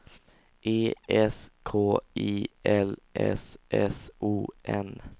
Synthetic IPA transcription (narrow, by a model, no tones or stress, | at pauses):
ʔeːʔɛskʰoːiːʔɛlʔɛ̰sʔɛsuːʔɛn